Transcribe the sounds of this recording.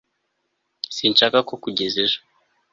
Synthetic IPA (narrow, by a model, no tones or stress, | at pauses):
sint͡ʃakakɔkuɟɛzɛʒḁ